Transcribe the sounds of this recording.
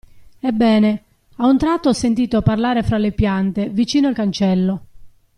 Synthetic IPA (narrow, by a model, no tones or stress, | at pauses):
ebːɛːne | aunt̪ɾat̪ːoɔsːent̪iːt̪oparlaːɾefɾalepjant̪evit͡ʃiːnoalkant͡ʃɛlːo